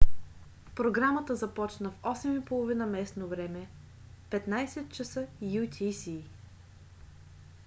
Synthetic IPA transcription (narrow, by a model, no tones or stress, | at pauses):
pɾoɡɾamət̪əzɐpɔt͡ʃnəfɔsɛmipolˠovinəmɛsnovɾɛmɛ | pɛt̪najsɛt̪̚t͡ʃəsɤjut̪ʰisi